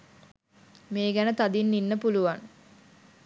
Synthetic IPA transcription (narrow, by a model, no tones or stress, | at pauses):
meːɡænət̪ad̪inːinːəpuluʋan